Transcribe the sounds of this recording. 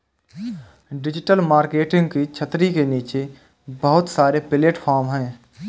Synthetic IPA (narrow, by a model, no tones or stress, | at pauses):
ɖɪd͡ʒɪʈəlmaːɾkeːʈɪ̃ŋɡkit͡ʃʰət̪ɾikeniːt͡ʃe | bəɦʊt̪saːɾepɪleːʈpʰaːɾmɦɛ̃ː